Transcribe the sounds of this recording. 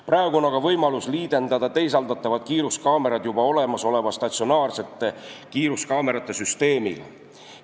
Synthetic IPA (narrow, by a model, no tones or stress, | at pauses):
prɑːeɡ̥uonːɑɡɑvɤjmɑlusliːd̪e̞nd̪̥ɑd̪̥ɑt̪e̞js̬ɑld̪ɑt̪ˑːɑvɑd̪̥kiːɾuskɑːme̞ɾɑd̪̥jubɑo̞le̞mɑso̞le̞vɑst̪ɑt̪sio̞nɑːrse̞t̪ːe̞kiːɾuskɑːme̞ɾɑt̪ːˑe̞syst̪e̞ːmiɡ̥ɑ̰